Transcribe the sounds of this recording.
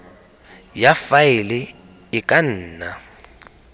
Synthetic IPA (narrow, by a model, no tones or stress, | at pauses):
jafaɪlɪ | ɪkʼan̩ːna